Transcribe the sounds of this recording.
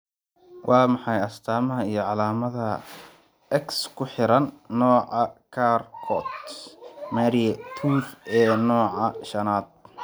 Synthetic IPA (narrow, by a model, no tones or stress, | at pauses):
wʔɑːmɑħɑjɐst̪ʰaːmɐɦɐijɞʕɑlaːmɐðɐ | ʔɛkskʰʊħɪɾɐnːɔːʕɑkʰaːrkʰɔt̪ | mɛɾiɛt̪ʰuːfɛːnɔːʕɑʃɐnaːd̪̥̚